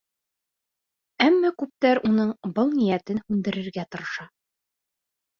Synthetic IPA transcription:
æmːækʉp̚t̪æɾunɤɴbɤlˠnijæt̪ɘnhʉnd̪ɘ̆ɾɘ̆ɾɡæt̪ŏɾɤ̆ʃɑ

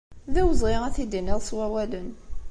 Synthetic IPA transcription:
ðæwəzˤʁiʁæθid̪inɪʁswæwælən

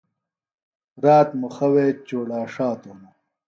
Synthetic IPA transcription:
ɾaːt̪muxɐweːt͡ɕoːɽaːʂaːt̪unu

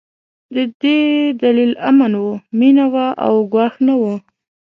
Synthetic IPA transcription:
d̪əd̪ed̪alilamanwuminawaʔa̰wɡwɑxnawu

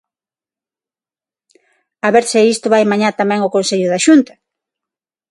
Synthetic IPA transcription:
aβeɾsɪist̪ʊβajmaɲat̪amɛ̃ŋʊkonseʎʊðaʃunt̪ɐ̥

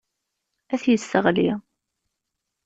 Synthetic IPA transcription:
æθjəsːəʁli

